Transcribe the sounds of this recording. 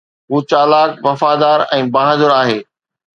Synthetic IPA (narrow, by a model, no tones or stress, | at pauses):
ɦuːt͡ɕaːlaːkʋɐfaːd̪aːɾɛ̃ːbaːɦəzʊɾaːɦeː